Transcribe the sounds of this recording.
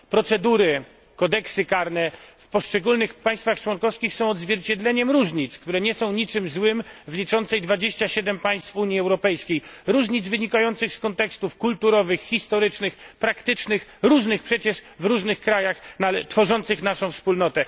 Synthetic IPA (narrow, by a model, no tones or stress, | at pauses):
pɾɔt̪sɛd̪uɾɘ | kɔd̪ɛksɘkaɾnɛfpɔʂt͡ʂɛɡulnɘxpaj̃st̪faxt͡ʂwɔnkɔfskʲixsɔ̃w̃ɔd̪zvʲjɛɾt͡ɕɛd̪lɛɲɛmɾuʐɲit̪skt̪uɾɛɲɛsɔ̃w̃ɲit͡ʂɘmzwɘmvlʲit͡ʂɔnt̪sɛjd̪vad͡ʑeɕt͡ɕaɕɛd̪ɛmpaj̃st̪fuɲjiɛwɾɔpɛjskʲejɾuʐɲid̪zvɘɲikajɔnt̪sɘxskɔnt̪ɛkst̪ufkult̪uɾɔvɘxxʲist̪ɔɾɘt͡ʂnɘxpɾakt̪ɘt͡ʂnɘxɾuʐnɘxpʂɛt͡ɕɛʂvɾuʐnɘxkɾajaxnaɛt̪fɔʐɔnt̪sɘxnaʂɔ̃w̃fspulnɔt̪ɛ